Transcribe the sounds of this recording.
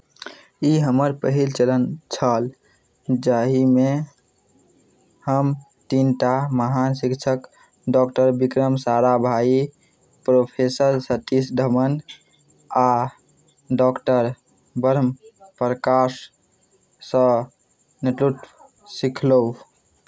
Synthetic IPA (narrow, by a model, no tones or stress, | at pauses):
iɦəməɾpəɦilt͡ʃələnt͡ʃʰəl | d͡ʒaɦime | həm | t̪inʈaməɦansikt͡ʃʰək | ɖɔkʈəɾbikɾəmsaɾabʱai | pɾopʰesəɾsət̪isɖ̪ʱəmən | a | ɖɔkʈəɾ | bəɾəmpɾəkasː | ə̃ | niʈ̪ɾuʈ̪ | sikʰlou